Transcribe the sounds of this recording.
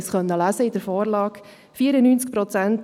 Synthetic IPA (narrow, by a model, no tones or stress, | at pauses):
sχœnːəlæsəɪd̥̪əɾfɔːɾlɑːk | fiːəɾənyːnt͡sk̚pɾɔt͡sænt